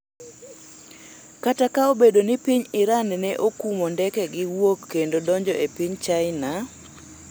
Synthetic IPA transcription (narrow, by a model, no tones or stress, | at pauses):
katakaobedonɪpiɲɪɾannɛʔokumondɛkɛɡɪwokːendodɔɲd͡ʒɔʔepiɲt͡ʃaɪna